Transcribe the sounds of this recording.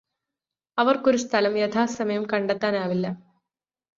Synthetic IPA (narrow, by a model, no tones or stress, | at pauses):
ɐʋɐrkoɾust̪ʰɐlɐmjɐt̪ʰaːsɐmɐjɐmkɐɳɖet̪ːaːnaːʋilːɐ